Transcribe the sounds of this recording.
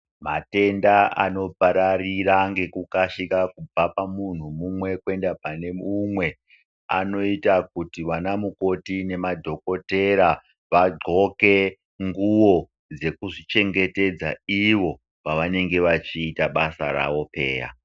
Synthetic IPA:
mate̞ndaa̰no̞paɾariraŋɡe̞kukaʃikakub͡vapamun̤umumwe̞kwe̞ndapane̞mumwe̞ | a̰no̞itak̚utiʋanamuko̞tine̞madʱo̞ko̞te̞ɾa | ʋaɡ͡ǃʱo̞ke̞ | ŋɡuwo̞ | d͡ze̞kuʐit͡ʃe̞ŋɡe̞te̞d͡zaiʋo̞ | paʋane̞ŋɡe̞ʋat͡ʃiːtaɓasa̰ɾa̰ʋo̞pe̞̰ːra̰

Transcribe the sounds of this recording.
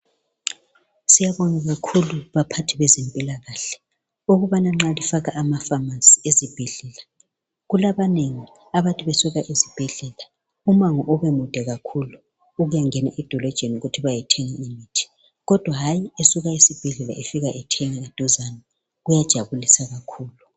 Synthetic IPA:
sijaβɔŋaɣakʰuluβapʰatʰiβɛzɛmpʼilaɣaɬɛ̥ | uɣuβanaŋ͡ǁalifaɣaʔːmafamansʼi̥ezib̥ʱɛɮɛla | ɣulaβaneŋi | aβatʼuβesuɣaʔizib̥ʱɛɮɛla | umaŋɔʔɔβɛmud̥ʱɛɣakʰulu | uɣujaŋɛna̰ʔɛd̥ʱɔlɔd̥ʒ̥ʱenuɣutʰiβajɛtʰɛŋaimitʰi̥ | ɣɔd̥ʱwaɦajiesuɣaisib̥ʱɛɮɛla̰ʔefiɣaʔɛtʰɛŋaad̥ʱɔzana | ɣujad̥ʒ̥ʱaβulisaɣakʰuːlu

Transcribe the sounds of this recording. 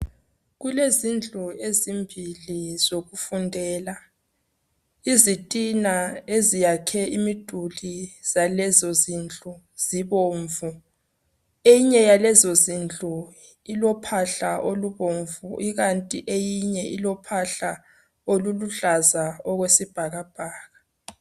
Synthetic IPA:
ɣulezind͡ɮʱʼuezimbʱiliz̥oɣufundʱɛːla | izitʼinaezijakʰɛimid̥ʱuliz̥alɛzɔzind͡ɮʼu | z̥iβoːɱvu | ejiɲɛjalɛzozind͡ɮʼu | ilɔpʰaɬaʔoluβoɱvuʔiɣantʼiʔejiɲɛʔilɔpʰaɬa | oluluɮazaɔɣwesib̥ʱaɣab̥ʱaːɣa

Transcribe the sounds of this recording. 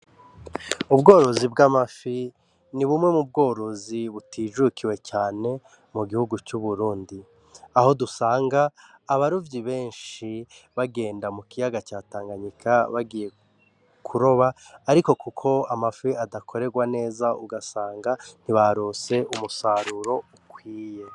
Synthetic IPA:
ubɡo̞ːɾo̞zibɡamafi | niβumŋe̞mub̚ɡo̞ːɾo̞ziβutiʒukʰiwe̞caːne̞ | muɡihuɡut͡ʃuβuɾuːndi | aho̞dusaːŋɡaː | βaɾuvɟiβe̞ːnʃi | βaɡe̞ːndamukijaɡat͡ʃaːtaːŋɡaɲikʰaβaɡije̞ | kʰuɾo̞βaːɾiko̞kukʰo̞amafiadakʰo̞ɾe̞ɡwane̞ːzaʔuɡasaːŋɡan̥iβaɾo̞se̞ʔumusaɾuɾo̞ukwiːje̞

